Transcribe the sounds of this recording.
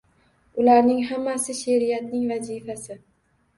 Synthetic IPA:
ʊlaɾnɪŋɦamːasɪʃeɾijat̪̚nɪŋvazifasɪ

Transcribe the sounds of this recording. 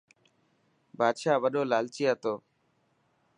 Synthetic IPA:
baːd̪ʃaːʋəɗoːlaːlt͡ʃijaːt̪oː

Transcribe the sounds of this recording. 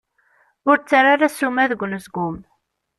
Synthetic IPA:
ʊɾt͡sːaɾaɾasumæðəɡʷluzɡʊm

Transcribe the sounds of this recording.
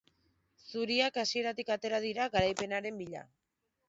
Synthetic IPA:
suɾiakasie̞ɾat̪ikat̪e̞ɾaðiɾaɣaɾajpe̞naɾe̞mbiʎa̰

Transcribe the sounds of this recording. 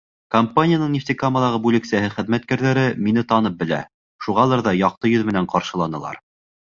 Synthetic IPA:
kɐmpanʲɪjanɤɴnʲift̪ʲikaməlˠɑʁɤbʉlɘ̆ksæhɘχɘ̆ðmæt̪̚kæɾðæɾɘminɘt̪ɑnɤp̚bɘ̆læ̰ | ʃuʁɑlˠɑɾðɑjɑq̚t̪ɤjɵðmɘ̆næɴqɑɾʃɤ̆lˠɑnɤ̆lˠɑ̰ɾ

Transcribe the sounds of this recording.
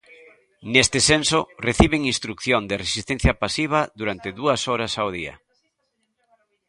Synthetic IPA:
nɛst̪ɪsensoreθiβeŋinst̪ɾukθjond̪ɪresist̪ẽn̟θjɐpasiβ̞ɐðuɾant̪ɪðuɐsoɾɐsawðiɐ̰

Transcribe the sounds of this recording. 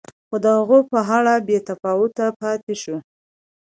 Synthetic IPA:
xod̪əhaɣopəɦaɭabet̪afɑʊt̪apɑt̪eʃu

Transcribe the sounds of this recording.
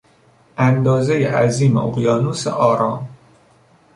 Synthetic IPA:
ʔænd̪ɒːzejeʔæziːmeʔoɣjɒːnusḛʔɒːɾɒːm

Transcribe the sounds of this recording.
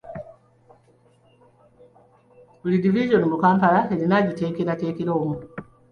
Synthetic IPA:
bulidiviʒonmukaːmpalaelinaɟiteːkilateːkiloːmu

